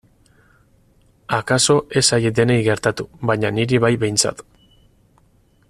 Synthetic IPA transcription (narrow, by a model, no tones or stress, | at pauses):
akaso̞ʔe̞sajid̪e̞nejɣe̞ɾt̪at̪uβaɲaniɾiβajbe̞jnt͡sa̰t̪